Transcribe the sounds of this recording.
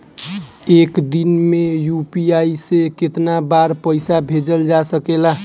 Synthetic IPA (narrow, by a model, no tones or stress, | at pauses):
ekd̪inmejupiaiseket̪nabaɾpəɪsabʱed͡ʒəld͡ʒasəkela